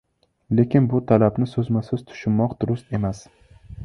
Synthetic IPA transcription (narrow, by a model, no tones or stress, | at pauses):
le̞kʲɪnbʊt̪ʰalabnɪsɵzmasɪz̥t̪ʰʊ̥ʃɪnmɒqd̪ʊɾʊst̪e̞mas